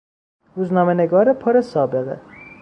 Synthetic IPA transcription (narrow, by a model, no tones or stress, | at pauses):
ɾuːznɒːmeneɡɒːɾepʰoɾesɒːbeɣḛ